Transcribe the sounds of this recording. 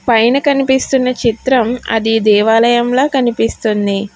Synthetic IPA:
pɐjnɐkɐnipist̪unːɐt͡ʃit̪ɾɐmɐ̰d̪id̪ɛːʋaːlɐjɐmlo̞ːkɐnipist̪und̪i

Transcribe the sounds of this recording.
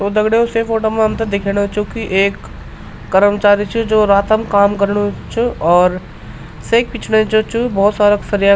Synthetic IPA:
t̪od̪ɐɡɽeosefoːʈəmẽɦɐmt̪ɐd̪ekʰeːnt͡ʃũkiʔeːkː | əɾəmt͡ʃaːɾit͡ʃʰud͡ʒoːɾaːt̪əmkaːmkəɾnut͡ʃʰuɔːɾ | seːk̚pit͡ʃʰnet͡ʃot͡ʃʰubɔːt̪saːɾaksəɾija

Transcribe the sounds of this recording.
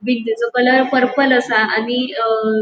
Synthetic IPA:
bildud͡zəkələɾpəɾpələsaani

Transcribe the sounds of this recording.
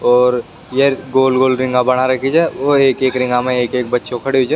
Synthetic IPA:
ɔːɾ | jeɡoːlɡoːlɾɪ̃ŋɡabɐɽ̃aɾɐkʰid͡ʒaɛʋoeːkeːkɾɪ̃ŋɡamẽeːkeːk̚bɐtːʃokʰɐɽeɦod͡ʒaː

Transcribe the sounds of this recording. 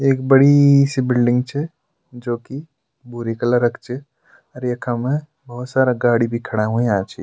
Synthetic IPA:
eːkbɐɽisibɪlɖɪ̃ŋɡt͡ʃʰɛ | d͡ʒoːki | buɾikɐləɾɐkʰt͡ʃʰe | ɐɾjɐkʰamẽ | bɐɦʊt̪saːɾaɡaːɽibʱikʰɐɽaɦũiãːt͡ʃʰḭ

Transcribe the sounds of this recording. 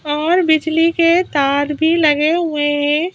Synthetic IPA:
ɔːɾbɪd͡ʒliket̪aːɾbʱilɐɡeɦʊeɦɛ̃

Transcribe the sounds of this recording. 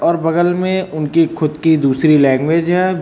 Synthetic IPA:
ɔːɾbɐɡəlmẽʊnkixʰʊd̪kid̪uːsɾilɛ̃ːŋɡʋeːd͡ʒɦɛː

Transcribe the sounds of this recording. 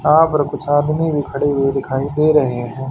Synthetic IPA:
aːpəɾkʊt͡ʃʰaːd̪mibʱikʰɐɽeɦʊid̪ɪkʰaːid̪eːɾɐɦeɦɛ̃ː

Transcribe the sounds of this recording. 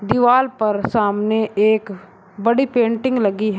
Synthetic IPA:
d̪ɪʋaːlpɐɾsaːmneʔeːk | bɐɽipẽːɳʈɪ̃ŋɡlɐɡiɦɛ

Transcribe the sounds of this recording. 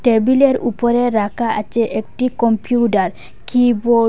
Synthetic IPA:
ʈebileɾṵpoɾeɾakʰaʔa̰t͡ɕeʔek̚ʈikɔmpijuʈaɾ | kibo

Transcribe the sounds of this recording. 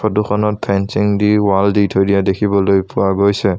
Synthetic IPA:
pʰɔtuxʰɔnɔt̚pʰɛnsiŋdiwalditʰojdijadekʰibɔlojpʊaɡojsɛ

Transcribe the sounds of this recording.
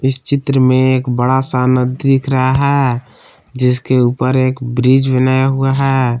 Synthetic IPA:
ɪst͡ʃɪt̪ɾəmẽeːkbəɽasanəd̪d̪ɪkʰɾəɦaɦɛ | d͡ʒɪskeuːpəɾeːkbɾid͡ʒbɪnajɦuaɦɛː

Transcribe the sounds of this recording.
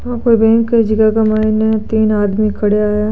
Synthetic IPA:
ãːkoibẽːŋked͡ʒɪɡakamaːinet̪iːnaːd̪mikʰɐɽeaːja

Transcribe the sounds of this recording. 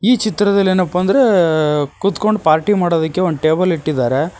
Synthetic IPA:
iːt͡ʃit̪ɾɐd̪ɐlːeːnɐpːɐɐnd̪ɐɾe | kut̪ko̞ɳɖpaːɾʈimaːɽoːd̪ɐkːeonʈeːbɐliʈːid̪aːɾe̞

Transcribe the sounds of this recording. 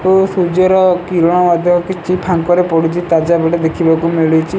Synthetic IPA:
osud͡ʒɔɾɔkiɾɔɽ̃ɔmad̪ʱjɔmɔkit͡ʃʰipʰaŋkɔɾepɔɽit͡ʃʰit̪ad͡ʒabɔʈed̪ekʰibakumiɭit͡ʃʰi

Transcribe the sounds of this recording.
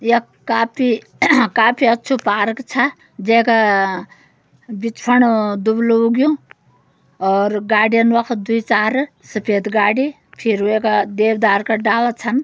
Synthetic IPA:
jɐ | kaːpʰi | kaːpʰiɐtːt͡ʃʰupaːɾkt͡ʃʰa | d͡ʒeːka | bit͡ʃpʰɐɳd̪ubluɡjũ | ɔːɾɡaːɽijɐnʋɐkʰt̪d̪uit͡ʃaːɾ | səpʰeːt̪ɡaːɽi | pʰiɾekad̪eːwd̪aːɾkaɖaːʋat͡ʃʰɐn

